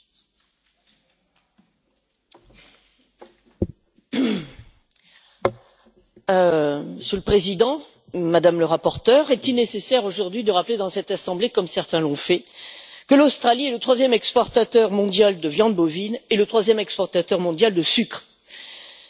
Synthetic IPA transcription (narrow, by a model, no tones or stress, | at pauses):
məsjələpχezid̪ɑ̃ | mad̪amləʁapɔʁt̪œʁɛt̪ilnesesɛʁoʒuʁd̪ɥid̪əʁapled̪ɑ̃sɛt̪asɑ̃blekɔmsɛʁt̪ɛ̃lɔ̃fɛkəlost̪χaliɛlət̪χwazjɛmɛkspɔʁt̪at̪œʁmɔ̃d̪jald̪əvjɑ̃d̪bovinelət̪χwazjɛmɛkspɔʁt̪at̪œʁmɔ̃d̪jald̪əsykχ